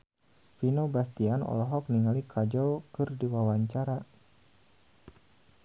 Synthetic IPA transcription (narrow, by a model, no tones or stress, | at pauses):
finobast̪ianɔ̰lɔɦɔk̚niŋalikʰad͡ʒɔwkɨrdiwawaɲt͡ʃaɾa